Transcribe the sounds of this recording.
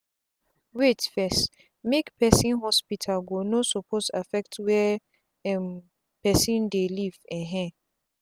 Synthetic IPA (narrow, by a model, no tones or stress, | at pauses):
wetfɛs | mekpʰɛsĩnɦɔspitʰalɡonosɔpʰosafɛk̚tʰwɛ | ɛ̃m | pɛsĩndelivɛ̃ɦɛ̃